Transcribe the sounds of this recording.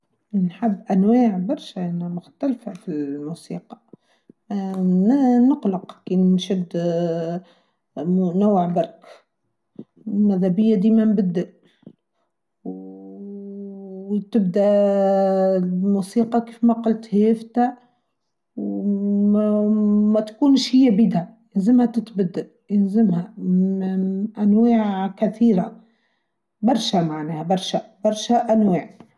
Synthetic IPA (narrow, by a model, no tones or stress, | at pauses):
nħabːʔænwaːʕbɑɾˤʃaʔnmʊxt̪ælfæfimuːsiːqɑ̥ | nəqləqkiːnnʃɪd̪ | nawːʕbɑɾˤk | mæðhæbɪjːad̪imæmbɪd̪ːaʔ | w | t̪ɪb̚d̪æ | muːsiːqɑkeːfmaqʊlt̪heːft̪a | w | mat̪ḁkuːnʃhɪjːabiːd̪hajɪnzɪmhat̪ɪt̪bɪd̪ːaʔ | jɪnzɪmha | ʔanwaːʕkaθiːɾa | bɑɾˤʃamaʕneːhabɑɾˤʃabɑɾˤʃaʔanwaːʕ